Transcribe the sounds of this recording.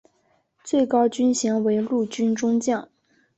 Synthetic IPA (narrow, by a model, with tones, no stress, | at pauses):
t͡swe˥˩ɪkɑ˥ʊt͡ɕy˥nɕji˧˥ŋwe˧˥ɪlu˥˩t͡ɕy˥nʈ͡ʂʊ˥ŋt͡ɕjɑ˥˩˦ŋ